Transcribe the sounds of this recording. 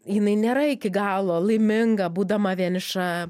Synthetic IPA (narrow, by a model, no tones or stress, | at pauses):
jɪnɐɪnʲeːɾɐɪkʲɪɡɑːlˠoːlˠɐɪmʲɪŋɡɐbuːd̪ɐmɐʋʲiɛnʲɪʃɐ